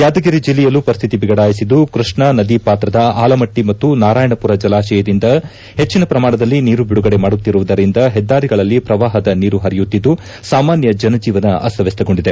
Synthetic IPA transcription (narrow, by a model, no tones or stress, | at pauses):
jaːd̪ɐɡiɾid͡ʒilːɛjɐlːupɐɾist̪ʰit̪ibiɡɐɽaːjisid̪ukɾiʂɳɐnɐd̪ipaːt̪ɾɐd̪ɐaːlɐmɐʈːimɐt̪ːunaːɾaːjɐɳɐpuɾɐd͡ʒɐlaːʃɛjɐd̪ind̪ɐ | he̞t͡ʃːinɐpɾɐmaːɳɐd̪ɐlːiniːɾubiɽuɡɐɽe̞maːɽut̪ːiɾuʋud̪ɐɾind̪ɐɦɛd̪ːaːɾiɡɐɭɐlːipɾɐʋaːɦɐd̪ɐniːɾuɦɐɾijut̪ːid̪ːu | saːmaːnjɐd͡ʒɐnɐd͡ʒiːʋɐnɐɐ̰sɐʋest̪ɐɡo̞ɳɖid̪e̞